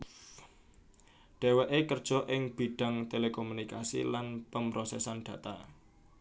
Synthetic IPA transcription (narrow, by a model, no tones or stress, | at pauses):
ɖ̥e̤wɛʔekərd̥ʒ̥ɔ̤ʔɪŋb̥i̤ɖ̥ä̤ŋt̪elekomunikasḭlanpəmbɾosɛsanɖ̥ä̤t̪a